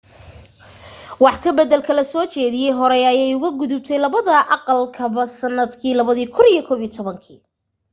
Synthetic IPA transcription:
wɑħkʰɐbɐd̪ɛlkʰɐlɐsɔːt͡ʃɛːðɪjɛjɦɔɾɛjɐjɛjʊɣɐɡʊðʊb̚t̪ʰɛjlɐβɐðɐʔɑqɑlkʰɐβɐsɐnːɐd̪kʰiːlɐβɐðiːkʰʊnijɞkʰɔːβiːt̪ʰɔβɐŋkʰiː

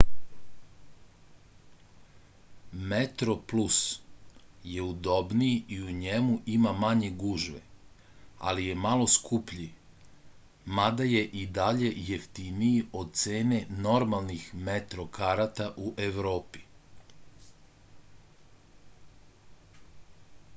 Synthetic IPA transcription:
met̪ɾo̞plus | je̞ud̪o̞bnijiiuɲemuʔimamaɲeɡuʒʋḛ | a̰lije̞malo̞skʰupʎi | mad̪aje̞ʔid̪aʎe̞je̞ft̪inijio̞d̪̚t̪se̞ːne̞no̞ɾmalˠnixmet̪ɾo̞kaɾat̪aʔuʔe̞ʋɾo̞ːpi̥

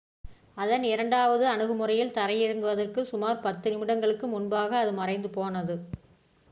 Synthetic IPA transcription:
ɐðɐnɪɾɐɳɖaːʋɐðɯɐɳɯɣɯmɯrɐjɪlt̪ɐɾɐjɪɾɯŋɡɯʋɐðɐrkɯsʊmaːɾpɐt̪ːɪnɪmɪɽɐŋɡɐɭɯkːɯmʊnbaːɣɐːðɯmɐrɐɪnd̪ɯpoːnɐðɯ

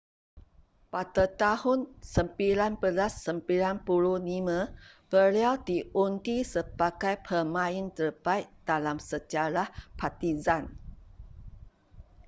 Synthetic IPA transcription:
padat̪ahunsəmpilanbəlasːəmpilanpuluhnimə̃b̥əliawdiʔunt̪isəbaɡajpʰəmãint̪ərbait̪̚d̥alamsəd͡ʒaɾahpʰat̪izan

